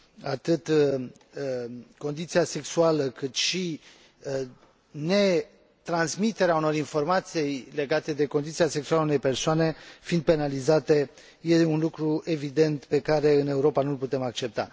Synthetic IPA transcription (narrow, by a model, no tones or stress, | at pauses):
at̪ɨt̪ | ko̞nd̪it̪siase̞ksualəkɨt̪ʃi | ne̞ | t̪ɾansmit̪e̞ɾeauno̞ɾinfo̞rmat̪siejle̞ɡat̪e̞d̪e̞ko̞nd̪it̪siase̞ksualaunejpe̞rsoane̞find̪̚pe̞nalizat̪e̞ | jeunlukɾue̞vid̪e̞nt̪pe̞kaɾe̞ɨne̞uɾo̞panulput̪e̞mak̚t͡ʃe̞p̚t̪a̰